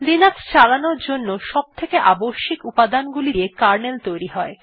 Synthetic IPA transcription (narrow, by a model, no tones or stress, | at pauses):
linakst͡ɕalanoɾd͡ʑonːoʃɔb̚t̪ʰekeʔaboʃːikupad̪anɡuliɾekaɾnelt̪ojɾiɦɔe